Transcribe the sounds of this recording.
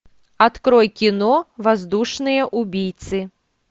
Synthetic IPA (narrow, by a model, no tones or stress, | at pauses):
at̪kɾɔjkʲinɔvazd̪uʂnɨjɐʔubʲijt̪sɨ